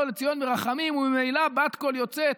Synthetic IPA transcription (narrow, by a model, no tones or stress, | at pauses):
let͡sijo̞nmeʁaχamimumimejlabat̪ko̞ljot͡se